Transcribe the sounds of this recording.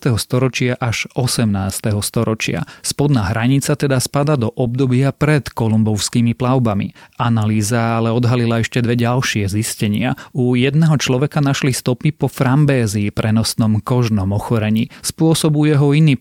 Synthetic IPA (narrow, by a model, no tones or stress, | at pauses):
t̪ɛɦɔst̪ɔɾɔt͡ʃɪaʔaʒ̥ɔsɛmnaːst̪ɛɦɔst̪ɔɾɔt͡ʃɪa̰spɔd̪naːɦɾaɲit͡sat̪ɛd̪aspad̪ad̪ɔʔɔbd̪ɔbɪapɾɛt̪kɔlumbɔʊskiːmiplaʊbamḭanaliːzaalɛɔd̪ɦalilaɛʃcɛd̪ʋɛɟalʃɪɛziscɛɲɪaujɛd̪̚nɛɦɔt͡ʃlɔʋɛkanaʃlist̪ɔpipɔfɾambɛːziːpɾɛnɔsnɔmkɔʒnɔmɔxɔɾɛɲiːspʊɔsɔbujɛɦɔiniː